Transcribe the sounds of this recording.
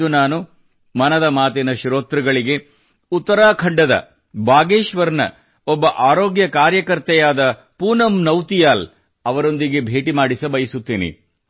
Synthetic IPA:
unaːnu | mɐnɐd̪ɐmaːt̪ɛnɐʃɾoːt̪ɾɐɡɐɭiɡe̞ | ut̪ːɐɾaːkʰɐɳɖɐd̪ɐ̰ | baːɡeːʃʋɐɾnɐ̰ | ɔbːɐʔaːɾoːɡjɐkaːɾjɐkɐɾt̪ɛjaːd̪ɐ | puːnɐmnɐwt̪ijaːl | ɐʋɐɾo̞nd̪iɡe̞bʱe̞ːʈimaːɽisɐbɐjisut̪ːiːnḭ

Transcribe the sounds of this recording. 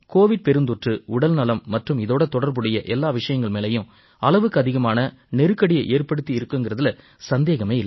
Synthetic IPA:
koːʋɪɖ̚pɛɾɯnd̪ʊʈrɯʊɽɐlnɐlɐmːɐʈrɯmɪðoːɽɐt̪ɔɽɐɾbɯɽɐjɐʔɛlːaːʋɪʂɐjɐŋɡɐɭmeːlɐjɯ̃m | ɐlɐʋɯkːɯɐðɪɣɐmaːnɐ | nɛɾɯkːɐɽɪjɐʔeːrpɐɽɯt̪ːiɪɾɯkːɯŋɡɪrɐðɪlɐ | sɐnd̪eːɣɐmeːɪlːɐ

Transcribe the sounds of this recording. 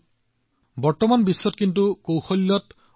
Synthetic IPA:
bɔɹt̪ɔmanbisːɔt̪kint̪ukowxolːɔt̪

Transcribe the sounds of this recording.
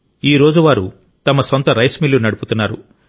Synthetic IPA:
iːɾo̞ːd͡ʒuʋaːɾu | t̪ɐmɐsont̪ɐɾɐjsmilːunɐɽuput̪unːaːɾu

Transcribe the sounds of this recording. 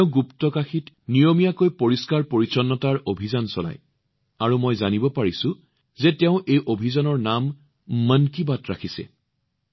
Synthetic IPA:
ʊ̃ɡuptɔkaxit | nijomijakojpoɹiskaɹpoɹit͡ʃɔnːɔtaɹʔobʱizansɔla̰j | aɹumojzanibɔpaɹisʊ̃ | zetɛʊ̃ʔejʔobʱizanɔɹnamː | ənkibatɹakʰisɛ̰

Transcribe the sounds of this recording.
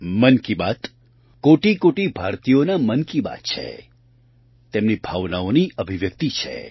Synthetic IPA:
mənkibat̪ | koʈikoʈibʱaɾt̪ijonamənkiba̰t̪t͡ʃʰḛ | t̪emnibʱaʋnaoniəbʱiʋjək̚t̪it͡ʃʰḛ

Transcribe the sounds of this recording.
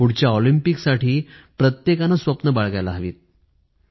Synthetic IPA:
puɽ̤t͡ɕjaɔlimpiksaʈʰiːpɾət̪jekanasʋəpnəbaɭɡajlaɦəʋḭːt̪̚

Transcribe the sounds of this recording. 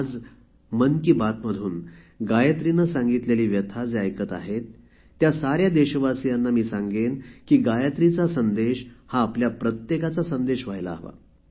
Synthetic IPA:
d͡z | mənkiːbat̪məd̪ʱuːn | ɡajət̪ɾinəsãŋɡit̪leliːʋjət̪ʰad͡zeajkət̪a̰ɦet̪ː | jasaɾjad̪eɕʋasijanːamiːsaŋɡenkiːɡajət̪ɾit͡sasənd̪eɕhaːpljapɾət̪jekat͡sasənd̪eɕʋajlaːɦʋa̰

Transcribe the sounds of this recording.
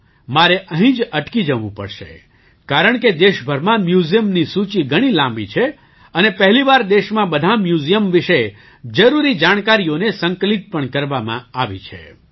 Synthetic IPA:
maɾeʔəɦĩd͡ʒəʈkid͡ʒəʋṵ̃pə̰ɾʃḛ | kaɾəɳ̃ked̪eʃbʱəɾmãmjuzijəmnisut͡ʃiɡʱəɽ̃ilãmbḭt͡ʃʰe | ənepəɦliʋaɾd̪eʃmãbəd̪ʱamjuzijəmʋɪʃe | d͡ʒəɾuɾid͡ʒaɽ̃kaɾijonesəŋkəlit̪̚pəɳkəɾʋamã̰aʋḭt͡ʃʰḛ

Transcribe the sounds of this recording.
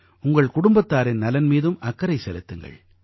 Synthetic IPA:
ʊŋɡɐɭkʊɽʊmbɐt̪ːaːɾɪnnɐlɐnmiːðɯmʔɐkːɐɾɐɪsɛlɯt̪ːɯŋɡɐ̰ɭ

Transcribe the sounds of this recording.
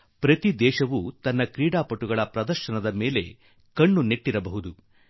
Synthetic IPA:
pɾɐt̪id̪ɛːʃɐʋut̪ɐnːɐkɾiːɽaːpɐʈːuɡɐɭɐpɾɐd̪ɐɾʃɐnɐd̪ɐmeːle̞ | kɐɳːuneʈːiɾɐbɐɦud̪u

